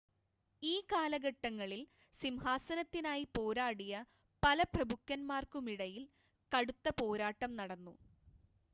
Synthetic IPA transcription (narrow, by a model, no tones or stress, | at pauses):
iːkaːlɐɡɐʈːɐŋːɐɭil | simhaːsɐnɐt̪ːinaːjipo̞ːɾaːɽijɐ | pɐlɐprɐbʱukːɐnmaːrkumiɽɐjil | kɐɽut̪ːɐpo̞ːɾaːʈːɐmnɐɽɐnːu